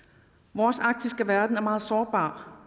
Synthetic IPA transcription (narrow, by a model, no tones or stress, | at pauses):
ʋɒːsɑ̈ɡ̥̚d̥isɡ̥əʋæɐd̥n̩æɐmɑ̈ːð̞̩ˠsɒːb̥ɑ̰̈ː